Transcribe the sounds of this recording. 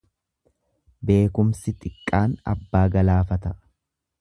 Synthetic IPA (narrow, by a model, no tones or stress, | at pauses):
be̞ːkʊmsɪt̪ʼɪkʼːaːnɐ̰bːaːɡɐlaːfɐt̪ɐ